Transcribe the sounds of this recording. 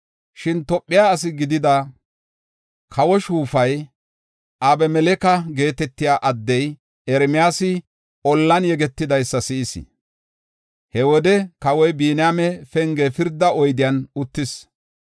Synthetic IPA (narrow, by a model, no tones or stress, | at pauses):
ʃɪnt̪ɔpʼːɪjaːs̬ɪɡɪd̪ɪd̪ɐ | kʰɐwɔʃuːfɐj | ʔaːbɛmɛlɛkɐɡe̞ːt̪ɛt̪ːɪjaːʔɐd̪ːɛj | ɛɾmɪjaːsɪ | ɔlːɐnjɛɡɛt̪ːɪd̪ɐjsːɐsɪʔɪsɪ̰ | hɛwɔd̪ɛkɐwɔjbiːnjamɛfɛŋɡɛfɪɾd̪ːɐɔjd̪ɪjɐnʊt̪ːɪs